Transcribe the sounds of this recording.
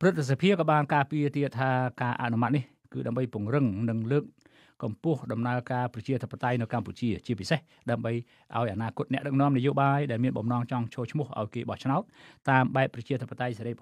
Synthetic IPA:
pərɨt̪̚sapʰiəkɑːɓaːnkaːpiət̪iət̪ʰːaːkaːʔa̰ʔnumat̪̚nih | kɨːɗaəmɓəjpŭəŋrɨŋnɨŋləːk̚ː | ɑmpʊ̆əhɗɑmnaəkaːprɑt͡ɕiət̪ʰəpːat̪ajnɨwkamput͡ɕiət͡ɕiəpiseh | ɗaəmɓəj | ʔaɔjʔanaːkʊ̆ət̪̚nɛ̆əʔɗɨk̚nɔ̆əmnijoːɓaːjɗaɛlmiənɓɑmnɑːŋt͡ɕɑŋt͡ɕʰoːlt͡ɕʰmʊ̆əhʔa̰ɔjkeːɓɑht͡ɕʰnaɔt̪̚ːaːmɓaɛp̚pːrɑt͡ɕiət̪ʰəpːat̪ajseɾəjp

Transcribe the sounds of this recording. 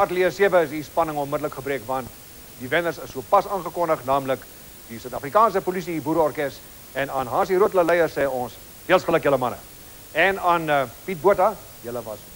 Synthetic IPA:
ʔɐtliəsiəvəəs̬ispɐnəŋɔnmədələkχəbɾiəkvɐnt | divɛnərsəsːuəpɐsɑːnχəkɔndəχnɑːmlək | disœɥtɐfrikɑːns̬əpolisiibuːɾəɔrkɛst | ɛnɐːnɦɑːs̬iɾuətləlɛjərsɛːɔns | deəlˠsχələkjələmɐnə̰ | ɛnɐːnpit̚buətɐ | jələvɐs

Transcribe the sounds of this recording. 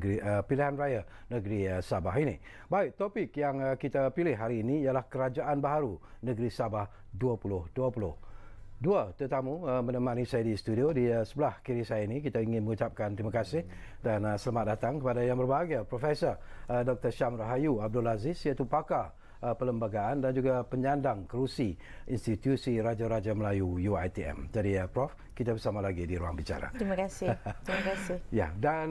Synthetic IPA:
ɡiəpiliɦanrajanəɡɾiəsabaɦinḭ | baɪk̚t̪ɔpɪkjaŋəkit̪apilɪhɦaɾiːniːjalahkəɾad͡ʒaʔanbaɦaɾunəɡɾisabah | duapulʊhduapulʊhduat̪urt̪amuəmənəmãnisajadist̪udiodiəsəbəlahkiɾisajainĩk̬it̪aiŋɪnməŋut͡ʃap̚kant̪ɾimakasɪh | danəsəlamat̪̚dat̪aŋkəpadajaŋbərbaɡapɾofɛsɔrdɔk̚t̪ərʃamraɦajuab̚dʊlazɪsjat̪upaka | əpələmbaɡaandand͡ʒuɡapəɲandaŋkəɾusi | inst̪it̪jusiɾad͡ʒaɾad͡ʒaməlajujuajt̪iɛ̰md͡ʒadipɾɔf | kit̪abərsamalaɡidiɾua̰ŋbit͡ʃa̰ɾa̰tɾimakasɪimakasɪja̰dan

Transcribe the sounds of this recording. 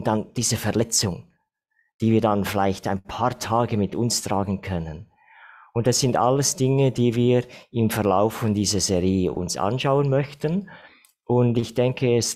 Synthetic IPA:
dand̥iːzəfɛɐlɛt͡sʊŋ | d̥iːviːdanfɪlaɪçtaɪnpʰaːɐtʰaːɡəmɪtʊnstʁ̥aːɡən̩kʰœnən | ʊnt̚d̥ɑsz̥ɪnta̰ləsd̥ɪŋədiːviːɪmfɛɐla̰ʊfɔndiːzəzeʁiːʔʊ̰nsʔa̰nʃaʊənmœçtən | ʔʊndɪçd̥ɛŋkʰəɛs

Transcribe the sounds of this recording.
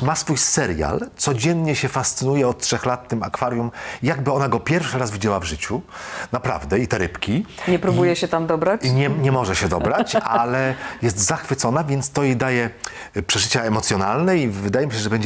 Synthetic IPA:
masfujsɛɾja̰lt̪sɔd͡ʑɛnɲɛɕɛfast̪sɘnujɛɔt̪̚tʂɛxlat̪ːɘma̰kfaɾjumjaɡbɘɔnaɡɔpʲjɛɾfʂɘɾazvʲid͡ʑɛwavʐɘt͡ɕunapɾa̰vd̪ɛit̪ɛɾɘpkʲiɲɛpɾubujɛɕɛt̪amd̪ɔbɾat͡ɕɲɛɲɛmɔʐɛɕɛd̪ɔbɾat͡ɕalɛjɛst̪zaxfɘt̪sɔnavʲjɛnt̪st̪ɔjed̪ajɛ | pʂɛʐɘt͡ɕaɛmɔt̪sʲjɔnalnɛivɘd̪ajɛmiɕɛʐɛbɛɲd͡ʑ

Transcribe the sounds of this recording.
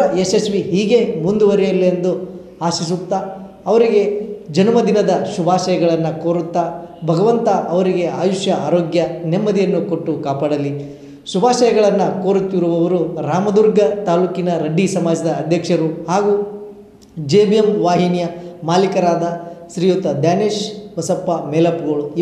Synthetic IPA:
ɐesesʋiɦiːɡe̞mund̪uʋɐɾijɐlːiend̪u | aːʃis̬ut̪ːa | ɐʋɐɾiɡe̞d͡ʒɐnɐmɐd̪inɐd̪ɐʃubʱaːʃɐjɐɡɐɭɐnːɐkoːɾut̪ːabʱɐɡɐʋɐnt̪ɐʔɐʋɐɾiɡe̞aːjuʃjɐaːɾoːɡjɐnemːɐd̪ijɐnːukoʈːukaːpaːɽɐli | ʃubʱaːʃɐjɐɡɐɭɐnːɐkoːɾut̪ːiɾuʋɐʋɐɾuɾaːmɐd̪uɾɡɐt̪aːluːkinɐɾɐɖːisɐmaːd͡ʒɐd̪ɐːd̪ʱjɐkʂɐɾuhaːɡu | d͡ʒeːbijemʋaːɦinjɐmaːlikɐɾaːd̪ɐsɾijot̪ːɐd̪jaːneːʃʋɐsɐpːɐmeːlɐpɡoɭu

